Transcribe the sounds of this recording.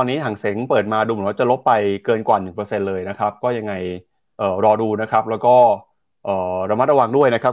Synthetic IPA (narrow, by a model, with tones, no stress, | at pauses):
ɔː˧nːiː˦˥t̪ʰaː˨˩˦ŋse˩˦ŋpɤː˨˩t̪̚maː˧duː˧m̩˨˦nwaː˥˩t͡ɕa˨˩lo˦˥pːa˧jkɤː˧nkwaː˨˩nɯ˨˩ŋpɤː˧se˧nlɤː˧jna˦˥kʰa˦˥p̚kɔː˥˩ja˧ŋːa˧j | ʔɤː˨˩ɾɔː˧duː˧na˦˥kʰa˦˥p̚lɛː˦˥wkɔː˥˩ | ʔɤː˨˩ɾa˧ma˦˥t̪̚ɾa˧wa˧ŋdu˥˩əjna˦˥kʰa˦˥p̚